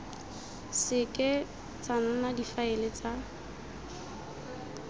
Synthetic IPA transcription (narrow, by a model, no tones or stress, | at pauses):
sɪkʼɪ | t͡sananadifaɪlɪt͡sa